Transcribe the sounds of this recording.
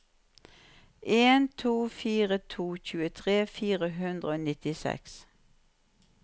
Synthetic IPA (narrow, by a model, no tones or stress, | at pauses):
ʔeːnt̪ʰuːfiːʁət̪ʰuːçʉːət̪ʰʁeːfiːʁəhʉnd̪ʁəoːnɪt̪ɪsɛ̰ks